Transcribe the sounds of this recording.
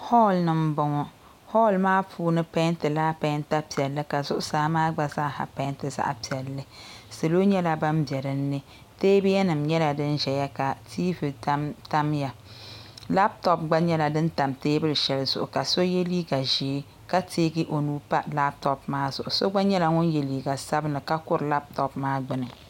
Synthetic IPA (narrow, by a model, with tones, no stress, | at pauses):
hɔ˦lnɨ˨m̩˦bɔ˨ŋɔ˦ | hɔ˦˨lmaː˦pʰuː˦nɨ˦pa˦ntɨ˨laː˦pa˦nta˦pi˨ɛ˨lːɨ˦ka˨zʊ˦ʔʊ˦saː˨˦maː˦ɡ͡ba˦za˦˨ha̰˨pa˦ntɨ˨za̰˦ʔa˨pi˨ɛ˨lːɨ˦se˨lo˦ɲɛ˦la˦ba˦mbjɛ˨ɾɨ˦nːɨ˦ | teː˦bɪ˦jɛ˦nɨ˨mɲɛ˦la˨dɨ˦nʒɛ˨ja˦ka˨tʰiː˦vɨ˨ta˦ta˦mja˨ | la˦p̚tɔ˨˦p̚ɡ͡ba˦ɲɛ˦la˨dɨ˦nta˨mteː˦bɨ˦lɨ˨ʃɛ˨lzʊ̰˨ʔʊ˨ka˨so˦je˦liː˦ɡa˨ʒe˨˦ | ka˦tʰeː˦ɡɨ˦ʔo˨nuː˨˦pa˦la˦p̚tɔ˨p̚maː˦zʊ˨ʔʊ˨so˦ɡ͡ba˦ɲɛ˦la˨ŋʊ˦nje˨liː˨ɡa˨sa˦bɨ˦nɨ˨ka˦kʊ˦ɾɨ˨la˦p̚tɔ˦pmaː˦ɡ͡bɨ˦nɨ˨